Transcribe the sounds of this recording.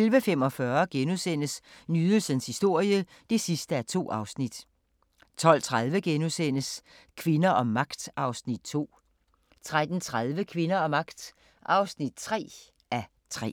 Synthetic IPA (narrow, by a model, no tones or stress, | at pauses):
elʋəfem̰ɒ̽fɶɐɡ̥enusen̰əsnyðˠəl̩sənshisd̥o̝ɐ̰jə | d̥e̝sisd̥əæɐt͡sʰo̝̰ːɑ̈ʊsnid̥ | t͡sʰɒ̽l̰t͡sʰʁað̞ˠʋəɡ̥enusen̰əs | kʰʋe̝nɐʔɒ̽mːɑ̈ɡ̥d̥ɑ̈ʊsnid̥̚t͡sʰo̝̰ː | t͡sʰʁad̥n̩t͡sʰʁaðˠʋəkʰʋe̝nɐɒ̽mːɑ̈ɡ̥d̥ | ʔɑ̈ʊsnid̥̚t͡sʰʁɛ̰ː | ʔæ | t͡sʰʁɛ̰ː